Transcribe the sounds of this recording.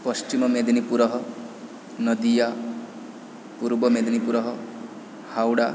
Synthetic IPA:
pɔst͡ʃimɔmed̪inipuɾɔɦɔ | nɔd̪ija | puɾbɔmed̪inipuɾɔɦɔ | hawɽa

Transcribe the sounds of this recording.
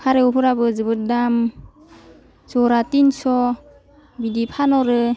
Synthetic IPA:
kʰaɾeupʰɯɾabɯzɯbɯt̚dam | zɔɾatinsɔ | bidipʰanɔɾɯ

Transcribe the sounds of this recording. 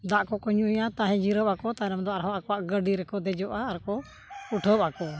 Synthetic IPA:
d̪aʔkɔkɔɲujat̪aɦɛ̃d͡ʒiɾɔpakɔt̪aɛɾɛmd̪ɔaɾɦɔ̃ʔakɔwaʔɡəɖiɾɛkɔd̪ɛd͡ʒɔʔaːɾkɔ | uʈʰɔpakɔ

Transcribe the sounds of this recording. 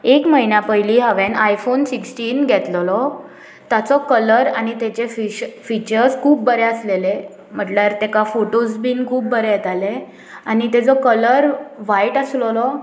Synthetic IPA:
ekməɦinapəiliːɦəʋenajfonsiksʈiːnɡʱɛt̪lɔlɔ | t̪at͡sɔkələɾañit̪et͡ɕefifit͡ɕəɾskʰuːp̚bəɾeəslele | m̤əʈlaɾt̪ekafoʈosbiːnkʰuːpːəɾejɛt̪ale | añit̪ed͡zɔkələɾʋaiʈəslɔlɔ

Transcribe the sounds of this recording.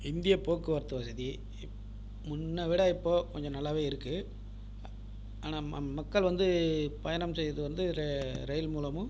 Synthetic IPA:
ɪnd̪ɪjɐpoːkːɯʋɐɾt̪ːɯʋɐsɐði | mʊnːɐʋɪɽɐɪpːoːkɔɲd͡ʒɔ̃nɐlːaːʋeːɪɾɯkːɯ | aːnaːmɐkːɐɭʋɐnd̪ɯpɐjɐnɐmsɛjɐðɯʋɐnd̪ɯɾɾɛjlmuːlɐmɯ̃

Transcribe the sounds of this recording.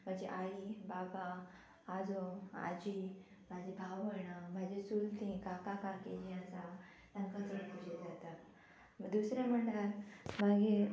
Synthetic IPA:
m̤ãd͡ʑiʔaibabaː | d͡zoa̰d͡ʑi | m̤ad͡ʑibʱaʋəɽ̃amad͡ʑesult̪ʰĩkakakaked͡ʑiəsa | t̪ãŋkət͡səɾp̪uɕed͡zat̪a | d̪usɾaməɳɖəɾmãɡe

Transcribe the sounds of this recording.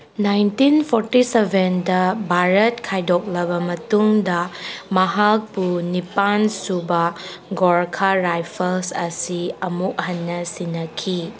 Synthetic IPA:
najntinpʰoɾtisebʱendɐbʱaɾɐt̚kʰajdok̚lɐbɐmɐtuŋdɐmɐɦak̚punipansubɐ | ɡoɾkʰaɾajpʰɐlsɐsiɐmuk̚ɦɐnːɐsinːɐkʰi

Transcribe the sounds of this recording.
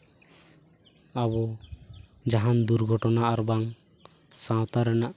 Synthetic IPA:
abɔ | d͡ʒaɦand̪uɾɡʱɔʈɔnaʔaɾbaŋ | sãwt̪aɾɛnaʔ

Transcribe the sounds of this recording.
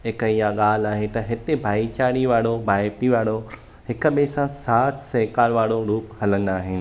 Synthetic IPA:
ɦɪkəijaɠaːlaːɦet̪ɐɦɪt̪ebʱaːit͡ɕaːɽiʋaːɽobʱaːepiʋaːɽo | ɦɪkə̆ɓesãsaːʈʰseːkaːɾʋaːɽoɾuːphɐlə̃nd̪aːɦɪnɪ̆

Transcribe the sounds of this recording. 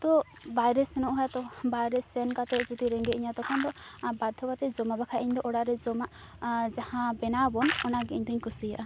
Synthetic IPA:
t̪ɔ | bajɾɛsɛnɔʔɦɔjat̪ɔbajɾɛsɛnkat̪ɛd͡ʒɔt̪iɾɛŋɡɛʔiɲat̪ɔkʰɔnd̪ɔbad̪ʱɔkat̪ɛd͡ʒɔmabakʰaʔiɲd̪ɔʔɔɽaʔɾɛd͡ʒɔmaʔ | d͡ʒahãbɛnabɔnɔnaɡɛiɲd̪ɔɲkusija̰ʔa

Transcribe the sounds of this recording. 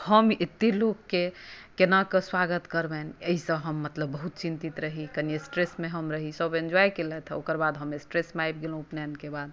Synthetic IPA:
həmet̪ːilokːekenakeswaɡət̪kəɾbɛnəɦisə̃ɦəmːət̪ləbːəɦut̪t͡ʃint̪it̪ɾəɦikəniesʈɾesmeɦəmɾəɦisəbẽnd͡ʒɔjkelɛt̪ʰokəɾbad̪ɦəmesʈɾesmeajb̚ɡelõpnankebad̪̚

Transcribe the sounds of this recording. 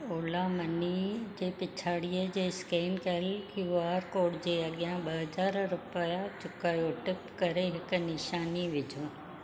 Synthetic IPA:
oːlamɐnid͡ʑeːpɪt͡ɕʰaːɽiːəd͡ʑeːskeːnkɐɪlkʰjuaːɾkoːɽd͡ʑeːɐɠijãɓɐɦɐzaːɾɾʊpəjat͡ɕʊkaːjoʈɪpkɐɾeɦɪkʊ̆nɪʃaːniʋɪd͡ʑʱõː

